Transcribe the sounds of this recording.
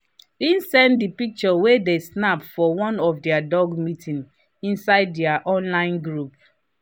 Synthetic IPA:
insɛ̃ndipik̚t͡ʃɔwedesnapfɔwɔ̃nɔfdɛadɔɡmitʰĩn | ĩnsaɪddɛaʔɔ̃nlãɪ̃nɡɹup̚

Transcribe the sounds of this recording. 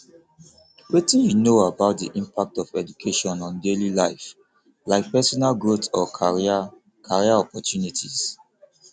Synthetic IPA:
wetĩnjunoabaʊt̚dḭʔĩmpak̚tɔfɛdukʰeʃɔ̃nɔ̃ndelilaɪf | laɪk̚pɛsɔnalɡɹotɔaia | kʰaɹiaɔpɔtjunitʰiz̥

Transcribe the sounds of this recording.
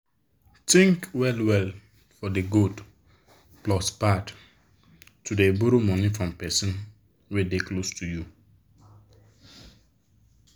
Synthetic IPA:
tĩŋkwɛlwɛl | fɔdeɡud | plɔspat | tʰudebuɾomɔnifɹɔ̃mpɛsɔ̃n | wedeklostʰuju

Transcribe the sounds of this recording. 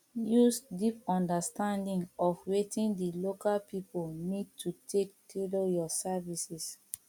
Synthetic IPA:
jusdipɔ̃ndəstãndĩŋɔfwetĩndilokalpipolnid̚tʰutʰektʰelojɔsavisis

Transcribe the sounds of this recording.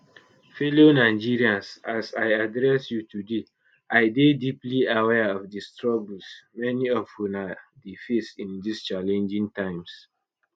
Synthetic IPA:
felonaɪd͡ʒiɹiãnsasajadɹɛsjutʰude | ʔaɪdedipliawɛɔfdistɹɔblsmɛniɔfjunadifesĩndist͡ʃalɛ̃nd͡ʒĩŋtãɪ̃ms

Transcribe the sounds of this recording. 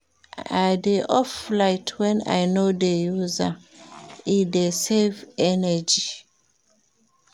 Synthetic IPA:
adeʔɔflaɪtʰwɛ̃na̰jnodejuza | idesevɛnɛd͡ʒi

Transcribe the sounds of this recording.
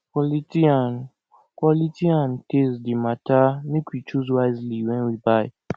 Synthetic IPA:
kɔlitian | kwɔlitiãntesdimatanĩkʰit͡ʃuzwaɪzliwɛ̃nwibaɪ

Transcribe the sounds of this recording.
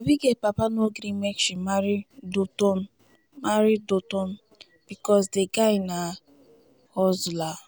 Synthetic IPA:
obiɡepapanoɡɾimekʃimaɾidotɔn̩ | maɾidotɔn̩ | b̥ikɔs̬deɡaɪna | hɔzla

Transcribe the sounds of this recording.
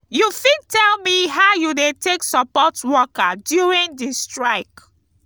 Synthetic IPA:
jufid̚tʰɛlˠmiɦaʊjudetʰeksəpɔtwɔkədjuɹĩŋdistɹaɪk

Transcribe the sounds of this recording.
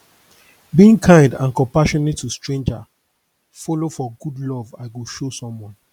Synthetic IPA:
biĩŋkʰãɪ̃ndãnkɔ̃mpaʃɔnetʰːustɹẽnd͡ʒa | fɔlofɔɡudlɔvaɪɡuʃosɔ̃mwɔ̃n

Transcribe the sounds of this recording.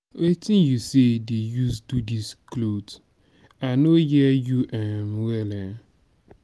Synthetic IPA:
wetɪ̃njusedejusdudisklod | anojijuʔamwɛlɛn

